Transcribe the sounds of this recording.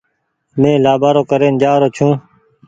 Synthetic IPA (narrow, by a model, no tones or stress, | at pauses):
mẽːlaːbaːɾoːkəɾeːnd͡ʒaːɾoːt͡ʃʰũː